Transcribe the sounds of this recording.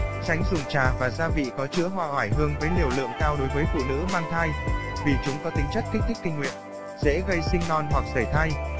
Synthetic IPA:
t͡ɕa˨˦jŋ̟zʊ˨˩ŋ͡mt͡ɕaː˨˩vaː˨˩zaː˧vḭ˧˨kɔ˨˦t͡ɕɨ̰˧˥əɦwaː˧ʔaː˧˩jɦɨ˧əŋvəː˨˦jli˨˧˩əwlɨ̰˧˨əŋkaː˧wɗo˨˦jvəː˨˦jfṵ˧˨nɨ̰˧˥maː˧ŋt̪ʰaː˧jvi˨˩t͡ɕʊ˨˦ŋ͡mkɔ˨˦t̪ï˨˦ŋ̟t͡ɕə˦˥k̚kʰːi˦˥t̪i˦˥k̟kːï˧ŋ̟wḭ˧˨ən | zɛ̰˧˥ɣə˧jsï˧ŋnɔ˧˩nɦwa˨˩k̚zəː˧˩jt̪ʰaː˧j

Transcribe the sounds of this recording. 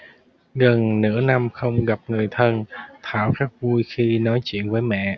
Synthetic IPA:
ɣə˨˩nnɨ̰˧˥əna˧mxə˧wŋ͡mɣa˨˩p̚ŋɨ˨˩əjt̪ʰə˧nt̪ʰaː˧˩wxaː˦˥k̚vu˧jxi˧nɔ˨˦jt͡ɕḭ˧˨ənvəː˨˦jmɛ̰˧˨

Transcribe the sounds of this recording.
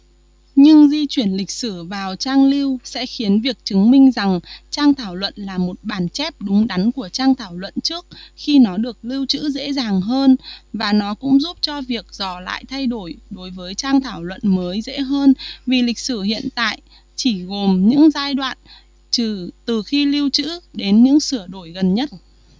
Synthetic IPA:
ɲɨ˧ŋzi˧t͡ɕwi˧˩ənlï˨˩k̟̚sɨ˧˩vaː˨˩wt͡ɕaː˧ŋli˧əwsɛ̰˧˥xi˨˦ənvi˨˩ək̚t͡ɕɨ˨˦ŋmï˧ŋ̟za˨˩ŋt͡ɕaː˧ŋt̪ʰaː˧˩wlwə̰˧˨nlaː˨˩mo˨˩t̚ɓaː˧˩nt͡ɕɛ˦˥p̚ɗʊ˨˦ŋ͡mɗa˨˦jnku˧˩ət͡ɕaː˧ŋt̪ʰaː˧˩wlwə̰˧˨nt͡ɕɨ˦˥ək̚xi˧nɔ˨˦ɗɨ˨˩ək̚li˧əwt͡ɕɨ̰˧˥zḛ˧˥zaː˨˩ŋɦəː˧nvaː˨˩nɔ˨˦kʊ̰˧˥ŋ͡mzu˦˥p̚t͡ɕɔ˧vi˨˩ək̚zɔ˧˩la̰ː˧˨jt̪ʰa˧jɗo˧˩jɗo˨˦jvəː˨˦jt͡ɕaː˧ŋt̪ʰaː˧˩wlwə̰˧˨nməː˨˦jzḛ˧˥ɦəː˧nvi˨˩lï˨˩k̟̚sɨ˧˩hḭ˧˨ənt̪a̰ː˧˨j | t͡ɕi˧˩ɣo˨˩mɲɨ̰˧˥ŋzaː˧jɗwa̰ː˧˨n | t͡ɕɨ˨˩t̪ɨ˨˩xi˧li˧əwt͡ɕɨ̰˧˥ɗe˨˦nɲɨ̰˧˥ŋsɨ˧˩əɗo˧˩jɣə˨˩nɲə˦˥t̚

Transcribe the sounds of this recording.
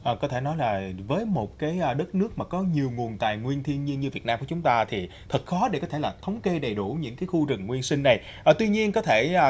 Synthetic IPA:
ʔəː˨˩kɔ˨˦t̪ʰe˧˩nɔ˨˦jlaː˨˩vəː˨˦jmo˨˩t̚kaː˨˦jʔɗə˦˥t̚nɨ˦˥ək̚maː˨˩kɔ˨˦ɲi˨˩əwŋu˨˩ənt̪a̰ː˨jŋwi˧ənt̪ʰi˧ənɲi˧ənɲɨ˧vi˨˩ət̚naː˧mku˧˩t͡ɕʊ˨˦ŋ͡mt̪aː˧t̪ʰi˨˩ | t̪ʰɨ˨˩t̚xɔ˨˦ɗe˧˩kɔ˨˦t̪ʰe˧˩laː˨˩t̪ʰə˨˦wŋ͡mke˧ɗə˨˩jɗu˧˩ɲɨ̰˧˥ŋkaː˨˦jxu˧t͡ɕɨ̰˨˩ŋŋwi˧ənsï˧ŋ̟na˨˩j | ʔəː˨˩t̪wi˧ɲi˧ənkɔ˨˦t̪ʰe˧˩˧

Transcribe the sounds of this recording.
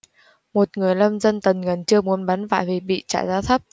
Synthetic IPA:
mo˨˩t̚ŋɨ˨˩əjlə˧mzə˧nt̪ə˨˩nŋə˨˩nt͡ɕɨ˧əmu˨˦ənɓa˨˦nva̰ː˧˨jvi˨˩ɓḭ˧˨t͡ɕa̰ː˧˨jzaː˧t̪ʰə˦˥p̚

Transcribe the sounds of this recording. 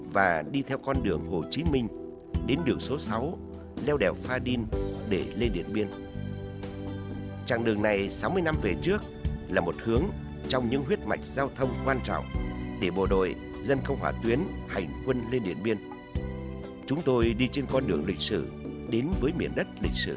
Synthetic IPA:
vaː˨˩ɗi˧t̪ʰɛ˧wkɔ˧nɗɨ˨˩əŋho˨˩t͡ɕi˨˦mï˧ŋ̟ | ɗe˨˦nɗɨ˨˩əŋso˨˦sa˨˦w | lɛ˧wɗɛ˨˩wfaː˧ɗi˧nɗe˧˩le˧nɗḭ˧˨ənɓi˧ən | t͡ɕa̰ː˧˨˩ŋɗɨ˨˩əŋna˨˩jsa˨˦wmɨ˧əjna˧mve˨˩t͡ɕɨ˦˥ək̚laː˨˩mo˨˩t̚hɨ˨˦əŋ | t͡ɕɔ˧wŋ͡mɲɨ̰˧˥ŋɦwət̚ma̰˨˩jk̟̚zaː˧wt̪ʰə˧wŋ͡mkwaː˧nt͡ɕɔ̰˧˨wŋ͡mɗe˧˩ɓo˧˩ɗo̰˧˨j | zə˧nkə˧wŋ͡mwaː˧˩t̪wi˨˦ənha˨˩jŋ̟kwə˧nle˧nɗḭ˧˨ənɓi˧ən | t͡ɕʊ˨˦ŋ͡mt̪o˧jɗi˧t͡ɕe˧nkɔ˧nɗɨ˨˩əŋlï˨˩k̟̚sɨ̰˧˩ | ɗe˨˦nvəː˨˦jmḭ˧˩ənɗə˦˥t̚lï˨˩k̟̚sɨ̰˧˩

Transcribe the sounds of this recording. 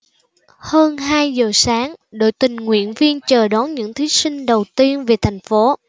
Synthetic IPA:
həː˧nɦaː˧jzəː˨˩saː˨˦ŋɗo̰˧˨jt̪ï˨˩ŋ̟ŋwḭ˧˨ənvi˧ənt͡ɕəː˨˩ɗɔ˨˦nɲɨ̰˧˥ŋt̪ʰi˨˦sï˧ŋ̟ɗə˨˩wt̪i˧ənve˨˩t̪ʰa˨˩jŋ̟fo˨˦

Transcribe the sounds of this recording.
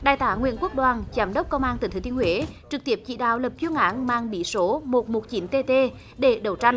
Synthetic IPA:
ɗaː˨˩jt̪aː˨˦ŋwḭ˧˨ənku˦˥ək̚ɗwaː˨˩nzaː˨˦mɗə˦˥wk͡p̚kə˧wŋ͡mʔaː˧nt̪ɨ˧˩t̪ɨ˨˩t̪i˧əhwe˨˦t͡ɕɨ˨˩k̚t̪i˦˥əp̚t͡ɕḭ˧˨ɗa̰ː˧˨wlə˨˩p̚t͡ɕu˧əŋʔaː˨˦nmaː˧ŋɓi˨˩˦so˨˦mo˨˩t̚mo˨˩t̚t͡ɕi˨˦nt̪e˧t̪e˧ | ɗe˧˩ɗə˨˧˩wt͡ɕa˧ŋ

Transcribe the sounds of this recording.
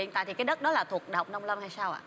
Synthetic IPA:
ḭ˧˨nt̪a̰ː˧˨t̪ʰi˨˩kːaː˨˦ɗə˦˥t̚ɗɔ˨˦laː˨˩t̪ʰu˨˩ək̚ɗə˨˩wk͡p̚nə˧wŋ͡mlə˧mha˧jsaː˧wʔa̰ː˧˨˩

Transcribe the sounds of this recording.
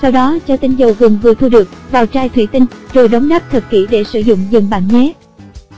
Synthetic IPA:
sa˧wɗɔ˨˦t͡ɕɔ˧t̪ï˧ŋ̟zə˨˩wvɨ˨˩əŋvɨ˨˩ət̪ʰu˧ɗɨ˨˩ək̚vaː˨˩wt͡ɕaː˧jt̪ʰwḭ˧˩t̪ï˧ŋ̟zo˨˩jɗə˨˦wŋ͡mɗaː˦˥p̚t̪ʰə˨˩t̚ki˧˩ɗe˧˩sɨ̰˧˩zʊ̰˧˨ŋ͡mzɨ˨˩˨ŋ͡mɓa̰ː˧˩nɲɛ˨˦˥

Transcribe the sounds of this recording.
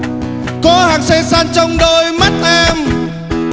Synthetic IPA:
kɔ˨˦haː˨˩ŋsɛ˧saː˧nt͡ɕɔ˧wŋ͡mɗo˧jma˦˥t̚ʔaː˧m

